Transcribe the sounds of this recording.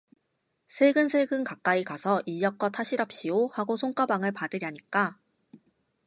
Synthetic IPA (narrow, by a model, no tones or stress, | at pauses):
sʰe̞ɡɯnsʰeɡɯnkak͈aikasʰʌʔiʎːʌk͈ʌtʰaɕʰiɾʌp̚ɕ͈iohaɡosʰoŋk͈abaŋɯɭpadɯɾjaɲik͈a